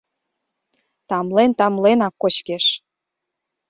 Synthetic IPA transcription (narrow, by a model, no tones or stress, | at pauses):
t̪ɑmlent̪ɑmlenɑkːot͡ɕkeʃ